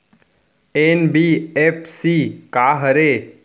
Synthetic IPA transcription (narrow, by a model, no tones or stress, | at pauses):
eːnbiepʰsikaːɦəɾe